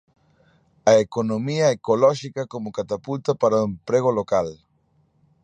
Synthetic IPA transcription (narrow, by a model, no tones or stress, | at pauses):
ɐekonomiɐekolɔʃikakomokat̪apult̪apaɾaoempɾeɣolokal